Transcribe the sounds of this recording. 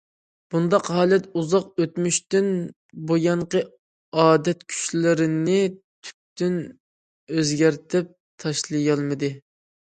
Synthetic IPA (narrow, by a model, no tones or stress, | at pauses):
b̥und̪ɑqɦɑːlˠɛt̪uzɑqøt̪myʃt̪yn | bojɑɴqə | ɑːd̪ɛt̪kʲʰy̥t͡ʃlɪɾɪnɪt̪ʰy̥p̚t̪yn | øzɡʲæɾt̪ʰɪp̚ | t̪ʰɑʃlˠɨjɑlˠmɨd̪ɨ